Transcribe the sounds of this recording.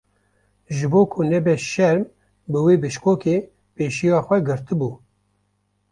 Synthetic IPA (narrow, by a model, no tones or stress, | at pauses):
ʒɨboːkʰʊnɛbɛʃɛɾm | bɨweːbɨʃkoːkeː | peːʃijɑːxʷɛɡɨɾt̪ɨbuː